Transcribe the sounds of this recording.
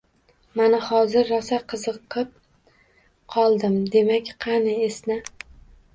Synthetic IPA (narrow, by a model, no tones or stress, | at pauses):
manahɒzɪɾːasaqʰɨzɨqʰɨp̚ | qʰɒlˠd̪ɪmd̪e̞makʲqʰɑnɪesnɪ